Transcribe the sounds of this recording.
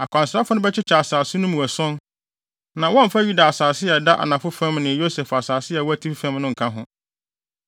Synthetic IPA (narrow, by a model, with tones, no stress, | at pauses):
a˨kʷʰã˨nsɾa˦fʊ˨˦nʊ̃˦bɛ˦t͡ɕʰɪ˦t͡ɕʰɛ˨a˨saː˨sʊ˦nʊ̃˦mũ˨æ˨sʊ̃˦n | nã˨wɔ̃˦m̩˨fa˦ju˦da˨a˨saː˨sɪ˦ɛ˨da˦ʔa̰˨nã˨fʊ˦fã˦mnɪ̃˨jo˦sɛ˨fa˨saː˨sɪ˦ɛ˨wɔ˦æ˦tʰi˦pfæ̃˦mnʊ̃˦ŋ̩˨kʰã˦ɦʊ̃˦